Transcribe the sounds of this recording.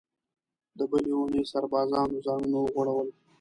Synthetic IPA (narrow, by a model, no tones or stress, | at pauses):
d̪əbəleunesaɾbɑːzɑːnozɑːnunawəɣwaɽawəl